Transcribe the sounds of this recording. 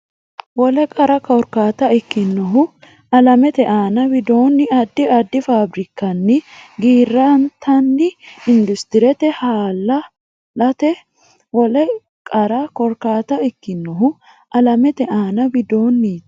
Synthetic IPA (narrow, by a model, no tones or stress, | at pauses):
wɔlɛkʼɐɾɐkɔɾkaːt̪ɐɪkːɪnːɔɦʊ | ɐlɐmɛt̪ɛʔaːnɐbɪd̪o̞ːnːɪɐd̪ːɪɐd̪ːɪfaːbɾɪkːɐnːɪɡiːrːant̪ʰɐnːɪɪnd̪ʊst̪ɪɾɛt̪ɛhaːlːɐ | lɐt̪ɛ | wɔlɛ | kʼɐɾɐkɔɾkaːt̪ɐɪkːɪnːɔɦʊ | ʔɐlɐmɛt̪ɛʔaːnɐbɪd̪o̞ːnːi